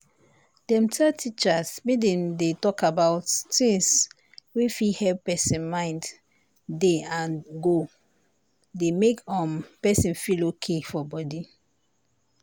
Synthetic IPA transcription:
d̥ɛ̃mtʰɛtʰit͡ʃasmedẽndetɔkabawttĩŋs | wifihɛppɛsĩnmãɪ̃nd | deãnɡo | demekɔ̃mpɛsĩnfilokʰefɔbɔdi

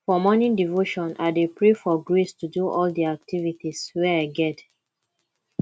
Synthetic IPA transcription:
fɔmɔnĩdivoʃɔ̃nadepɹefɔɡɹestuduʔɔldiak̚tʰivitiswɛaɡɛt

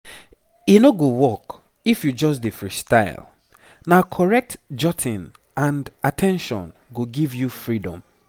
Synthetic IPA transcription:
inoɡowɔk | ifjud͡ʒɔs̬defɹistaɪl | nakʰɔɹɛk̚td͡ʒɔtʰĩn | ãndatʰɛ̃nʃɔ̰̃nɡoɡivjufɹidɔ̰̃m

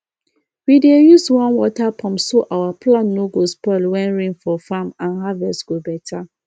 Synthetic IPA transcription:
widejuswɔ̃nwɔtapʰɔ̃mpsoʔawaplãnːoɡospɔlwɛ̃nɹĩŋfɔfamãnɦavɛstɡ̥obɛtʰa

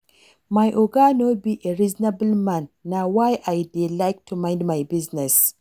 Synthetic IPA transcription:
majʔoɡanobiʔeɹiznablmãnːawajʔajdelajk̚tʰumãɪ̃ndmajbɪznɛs

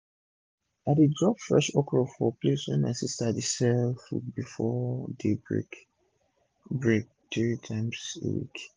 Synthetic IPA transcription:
atedɹɔpfɹɛʃɔkɹɔfɔpleswɛ̰̃nasistadisɛlfṵbifɔdebɹḛ | bek̚d̥ɛɹitʰãmsḛwḭk

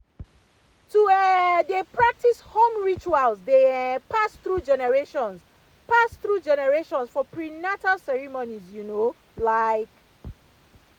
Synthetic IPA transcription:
tuɛdepɹak̚tishõmɹit͡ʃualzdepʰasθɹud͡ʒɛnɛɹeʃɔ̃ns | pasθɹud͡ʒɛnɛɹeʃɔ̃nsfɔpɹinatalsɛɹimonizjuno | laɪk

